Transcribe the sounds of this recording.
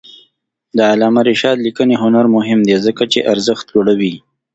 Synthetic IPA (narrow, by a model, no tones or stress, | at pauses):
d̪əalɑmaɾɪʃɑd̪likəneɦʊnaɾmʊɦɪmd̪ezəkat͡ʃeʔaɾzəxt̪d͡ʒoɽawi